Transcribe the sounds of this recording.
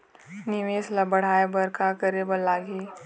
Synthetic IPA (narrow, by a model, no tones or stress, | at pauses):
nɪʋeːslɐbəɽ̤aːebɐɾkakəɾebɐlːaːɡiː